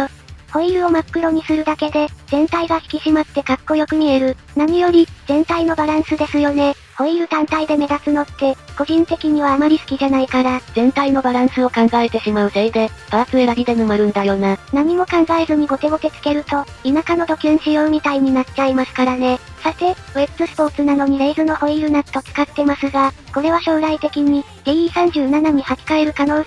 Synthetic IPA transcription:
ho̞iɾɯ̟o̞makːɯ̟ɾo̞ɲ̟isɨɾɯ̟d̪ake̞d̪e̞zẽ̞nt̪aiɡaçʲi̥kʲiɕimat̪ːe̞kakːo̞jo̞kɯ̟mʲie̞ɾɯ̟ | naɲ̟ijo̞ɾʲiz̥ẽ̞nt̪aino̞baɾãɰ̃sɨd̪e̞sɨjo̞ne̞ | ho̞iɾɯ̟t̪ãnt̪aid̪e̞me̞d̪at͡sɨno̞t̪ːe̞ko̞ʑĩnt̪e̞kʲiɲ̟iβ̞aːmaɾʲisɨ̥kʲiʑanaikaɾazẽ̞nt̪aino̞baɾãɰ̃sɨo̞kãŋɡae̞t̪e̞ɕimaɯ̟zeid̪e̞p̪aɾasɨeɾaɾʲid̪e̞nɯmaɾɯ̟̃nd̪ajo̞ːnanaɲ̟imo̞kãŋɡaezɨɲ̟iɡo̞t̪e̞ɡo̞ke̞t͡sɨ̥ke̞ɾɯ̟t̪o̞inakano̞t̪o̞kʲɯ̃ɰ̃ɕijo̞ɯ̟mʲit̪aiɲ̟inatt͡ɕaimasɨ̥kaɾane̞sat̪e̞ebɯzɨsɨ̥po̞t͡sɨnano̞ɲ̟iɾe̞ːzɨno̞ho̞iɾɯ̟nat̪o̞t͡sɨ̥kat̪ːe̞masɨɡako̞ɾe̞β̞aɕo̞ːɾait̪e̞kʲiɲ̟i | d̪eiːsãɲ̟d͡ʑɨːnanaɲ̟ihakʲi̥kaeɾɯ̟kano̞ː

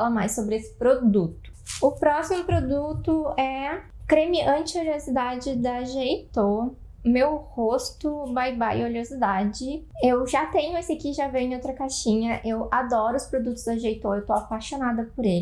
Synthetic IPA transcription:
alɐmajsːobɾɪesɪ̥pɾod̪ut̪ʊ̥ | ʊpɾɔsimʊpɾod̪ut̪ʊɛ | kɾemiʔɐ̃t͡ʃɪoliozid̪ad͡ʒɪd̪ɐʒejt̪oɾ | mewhost̪ʊbajbajɪ̰oliozid̪ad͡ʒɪewʒat̪ẽɲʊesɐkiʒavẽjʊ̃ẽowt̪ɾɐkaʃĩɲɐʔewad̪ɔɾʊspɾod̪ut̪ʊ̥zd̪ɐʒejt̪oɾewt̪oapaʃonad̪ɐpʊɾel

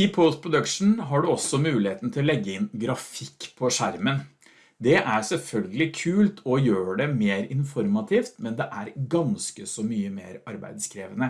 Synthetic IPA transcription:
ɪpʰɔt̪pʰɾʊd̪ʉkʂn̩ɦɑɖʉɔsːɔmʉːlɪheːt̪n̩t̪ʰɪlɔlɛɡːəɪnɡɾɑfɪkːpʰɔʂæɾmən | d̪ɛʔæɾsɛlfœlɡəlɪkʰʉːlt̪ʰɔjøːɖɛmeːɾɪnfɔɾmɑt̪ʰiːft̪mɛnd̪ɛʔæɾɡɑnskəsɔmyːəmḛːɾɑɾbæ̰ɪd̪skʰɾeːʋənə

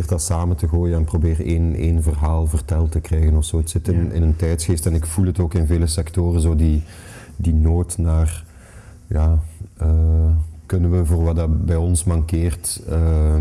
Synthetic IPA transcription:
rdɑsaːməntəɣoːjənɛnprobeːreːneːnvərɦaːlˠvərtɛlˠtəkrɛjɣənɔfsoːətsɪtɪnɪ̰nəntɛjtsxeːstɛnɪkfulˠɦətoːkɪnveːləsɛktoːrənzoːdi | dinoːtnaːr | jaːəːkɵnənʋəvoːrʋɑdɑbɛjɔnsmɑŋkeːrtə

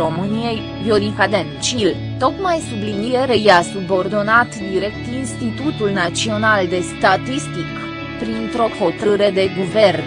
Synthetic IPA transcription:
o̞mɨnije̞j | vjoɾiŋkad̪ent͡ʃil | t̪o̞kmajsublinije̞ɾejasubo̞rd̪o̞nat̪d̪iɾe̞k̚t̪inst̪it̪ut̪ulnat̪sio̞nald̪e̞st̪at̪ist̪ik | pɾint̪ɾo̞ho̞t̪əɾɨɾe̞d̪e̞ɡuve̞rn

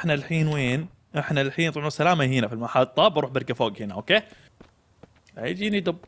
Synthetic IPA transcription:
ħnalħiːnweːn | ʔɪħnalħiːnt̪ˤʕusalaːmaɦɪnafilmaħɑlt̪ˤːɑbɑɾuːħbɪɾkafoːɡhɪnaʔo̰ːkeː | ʕḭːd͡ʒinid̪ʊb

